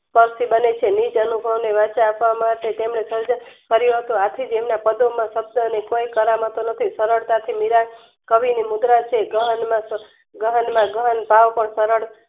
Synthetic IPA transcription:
spəɾsibənet͡ʃʰenid͡ʒənubʱəʋneʋat͡ʃaːpʋamaʈet̪emɳesəɾd͡ʒakəɾjuɦət̪ũat̪ʰid͡ʒemnapəd̪omãʃəb̚d̪ʱənekojkəɾamɦət̪onət̪ʰisəɾəɭt̪at̪ʰimiɾa | kəʋinimud̪ɾat͡ʃʰeɡəɦənmã | ɡəɦənmãɡəɦənpaʋpəɳsəɾəɭ

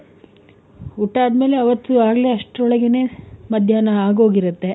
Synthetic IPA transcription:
uʈːaːd̪me̞ːle̞ɐʋɐt̪ːuaːɡleɐʂʈɾɔɭɐɡene̞ːmɐd̪ʱjaːnɐaːɡo̞ːɡiɾut̪ːe̞

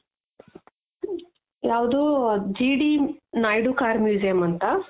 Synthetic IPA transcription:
jaːʋd̪uːd͡ʒiːɖinaːjɖukaːɾmjuːd͡ʒijɐmɐnt̪ɐ

